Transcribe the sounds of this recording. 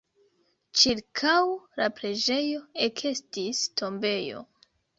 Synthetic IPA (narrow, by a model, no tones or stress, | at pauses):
t͡ʃiɾkʰawlapɾe̞d͡ʒe̞jo̞ekʰestistʰo̞mbe̞jo̞̰